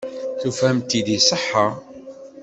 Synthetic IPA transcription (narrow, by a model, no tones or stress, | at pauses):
θufhæmt̪id̪isˤəħːa